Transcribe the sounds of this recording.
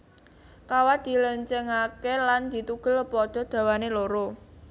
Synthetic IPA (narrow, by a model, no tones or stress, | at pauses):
kawad̪̥i̤ləɲt͡ʃəŋakeland̪̥i̤t̪uɡ̥ə̤lpɔd̪̥ɔ̤d̪̥a̤waneloɾo